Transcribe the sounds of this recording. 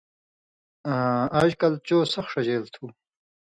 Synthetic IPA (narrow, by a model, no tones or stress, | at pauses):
aːʑkɐlt͡ɕoːsɐxʂɐd͡ʑeːlt̪ʰuː